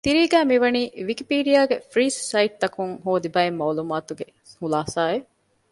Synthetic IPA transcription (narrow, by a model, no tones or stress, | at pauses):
t̪iɾiːɡæːmiʋɐniːʋikipiːɖijaːɡefɾiːsːɐiʈ̚t̪ɐkuŋɦoːd̪ibɐemːaːlumaːt̪uɡe | hulaːsaːe